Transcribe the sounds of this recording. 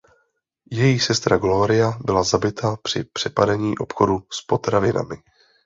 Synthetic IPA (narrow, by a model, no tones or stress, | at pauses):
jɛjisɛst̪ɾaɡlo̞ɾɪjabɪlazabɪt̪ʰapr̝̥ɪpr̝̥ɛpadɛɲiːʔo̞pxoduspo̞t̪ɾavɪna̰mɪ